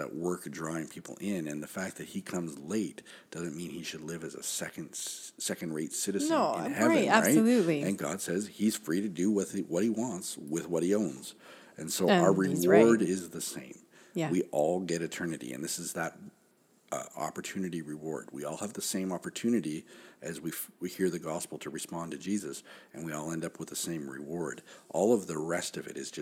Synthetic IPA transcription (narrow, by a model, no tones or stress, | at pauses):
ðə̰ʔwɜ˞kdɹɔɪ̃ŋpʰipʰl̩ˠɪ̃nɨ̃nðəfæk̚ðɨt̚hikʰʌ̃mzleɪt | d̥ʌzɨ̃nmĩniʃɨdˡlɪvɨzə̰sɛkɨ̃nd̥ssɛkɨ̃n̩dɹeɪtsɪɾɨzɨ̃ñhɛɨ̃næɹaɪlʉtliɨ̃nɡɑ̰d̥sɛz̥iz̥fɹiɾɨdɨwʌðwʌt̚hiwɑ̃ntswɪðwʌt̚hiõʊ̃nz̥ | ɨ̃nsoʊ˞ɹɪwɔɹɾɪzðɨsḛ̃ɪ̃m | wiʔɔlˠɡɛɾɨtʰɜ̃˞nɨɾḭɨ̰̃nðɪsɨzðəɾ̰ | ɑ̰pə˞tʰʉnɨɾiɹɨwɔ̰ɹd̚wḭɔlˠəvðɨsẽɪ̃mɑpə˞tʰʉnɨɾiʔɨzwiwihiɹðɨɡɑspl̩ˠtʰɨɹɨspɑ̃ntʰɨd͡ʒizɨsɨ̃nwiɔlˠɛ̃ndʌpʰwəðəsẽɪ̃mɹɪ̰wɔɹdʔɔlˠʌvðɨɹɛstʌvɨ̰ɾɨzd͡ʒʌ